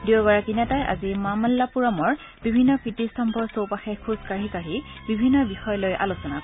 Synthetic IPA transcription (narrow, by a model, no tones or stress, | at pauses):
dioɡaɹakinɛtajʔa̰zimamalːapuɹamɔɹ | bibʱinːɔkɹitistʰɔmbʱɔɹsowpaxɛkʰuzkaɹikaɹi | bibʱinːɔbixɔjɔlojʔa̰lusɔna